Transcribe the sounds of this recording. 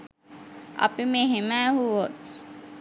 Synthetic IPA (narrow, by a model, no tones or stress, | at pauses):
ɐ̰pimeːɦemæːɦuʋot̪̚